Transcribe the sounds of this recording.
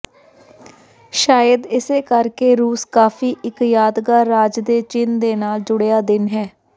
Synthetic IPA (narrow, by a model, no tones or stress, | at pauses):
ʃaːjəd̪ɪseːkəɾkeːɾuːskaːfʰiːʔɪkjaːd̪ɡaːɾaːd͡ʒd̪eːt͡ʃɪnd̪eːnaːld͡ʒʊɽejaːd̪ɪnɦɛː